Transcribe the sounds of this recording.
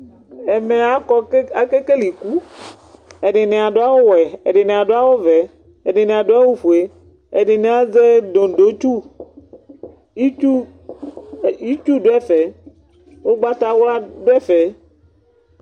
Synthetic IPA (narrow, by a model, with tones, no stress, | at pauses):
e˨me˨a˦kɔ˦a˦ke˦ke˦li˨ku˦ | e˨ɖe˨ne˨a˨ɖo˦a˦wo˦wɛ˨e˨ɖe˨nẽ˨a˨ɖo˦a˦wo˦vɛ˨ | e˨ɖe˨nẽ˨a˨ɖo˦a˦wu˦ɸu˨e˨ | e˨ɖe˨ne˨a˦ze˦do˨do˦t͡ʃu˦ | i˦u˦˨ | i˦t͡ʃu˦ɖo˦ɛ˦fɛ˨ | wo˦ɡ͡ba˦t̪a˦wla˦ɖo˦ɛ˦fɛ˨